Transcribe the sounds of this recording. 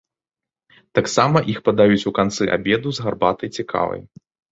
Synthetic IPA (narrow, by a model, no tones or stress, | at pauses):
t̪aksamɐʔixpɐd̪ajut͡sʲukant̪sɨʔa̰bʲɛd̪uzɣarbat̪ɐjt͡sʲikʰa̰vɐ̰j